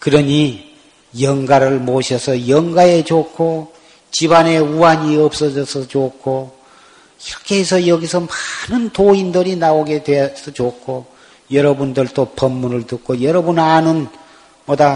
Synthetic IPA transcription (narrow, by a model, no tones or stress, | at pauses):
kɯɾʌɲi | jʌŋɡaɾɯɭmoɕʰʌsʰʌjʌŋɡae̞t͡ɕokʰo | t͡ɕibane̞uaɲiʌp̚s͈ʌd͡ʑʌsʰʌt͡ɕokʰːo | iɾʌkʰe̞ɦesʰʌjʌɡisʰʌmanɯntoindɯɾinaoɡe̞dwesʰʌt͡ɕokʰo | jʌɾʌbundɯɭt͈opʌmːunɯɭtɯk̚k͈ʰojʌɾʌbunanɯn | mʌda